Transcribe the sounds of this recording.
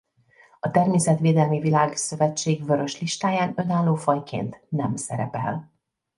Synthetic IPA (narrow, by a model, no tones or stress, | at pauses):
ɒt̪ɛrmeːsɛt̪ʋeːd̪ɛlmivilaːɡsø̞vɛt͡ʃːeːɡvø̞ɾø̞ʃliʃt̪aːjaːnø̞naːlːoːfɒjkʰḛːnt̪nɛmsɛ̰ɾɛpɛ̰l